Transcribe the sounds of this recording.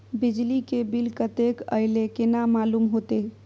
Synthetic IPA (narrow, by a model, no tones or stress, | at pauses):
bid͡ʒlikebilkət̪ekə̰jlekenamalumɦot̪e